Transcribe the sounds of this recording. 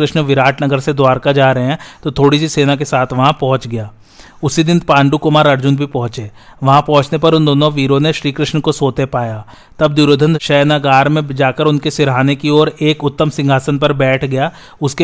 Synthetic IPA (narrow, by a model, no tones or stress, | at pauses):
ɾɪʃnʋɪɾaːʈnɐɡəɾsed̪waːɾkad͡ʒaːɾɐɦeɦɛ̃t̪ot̪ʰoːɽisiseːnakesaːt̪ʰʋɐɦãpɐɦʊ̃t͡ʃɡɐjaː | ʊsid̪ɪnpãːɳɖukʊmaːɾɐɾd͡ʒʊnbʱipɐɦʊ̃t͡ʃeːʋɐɦãpɐ̃ɦʊ̃t͡ʃnepɐɾʊnd̪oːnõʋiːɾõneʃɾiːkɾɪʃɳkosoːt̪epaːjaː | t̪ɐbd̪uɾoːd̪ʱə̃nʃɐːnaɡaːɾmẽd͡ʒaːkəɾʊnkesɪɾɦaːnekiɔːɾeːkʊt̪ːəmsɪ̃ŋɡʱaːsənpɐɾbɛːʈʰɡɐjaː | ʊske